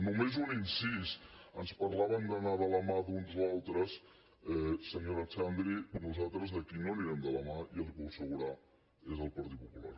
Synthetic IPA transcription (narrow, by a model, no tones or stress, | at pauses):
numezuninsisənspəɾlaβənd̪ənaðələmaðunzalˠt̪ɾəs | ɛsəɲoləksand̪ɾinuzalˠt̪ɾəzðəkinoniɾɛmd̪ələmaiəlˠkəwsəɣuɾa | ezəlˠpəɾt̪it̪̚pupula̰ɾ